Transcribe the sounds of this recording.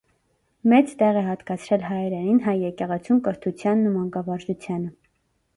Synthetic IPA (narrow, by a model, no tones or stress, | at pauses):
mɛt͡st̪ɛʁɛɦɑt̪kɑt͡sʰɾɛlɦɑɛɾɛninɦɑjːɛkɛʁɛt͡sʰumkəɾt̪ʰut͡sʰjɑnːumɑŋkɑvɑɾd͡ʒut͡sʰjɑnə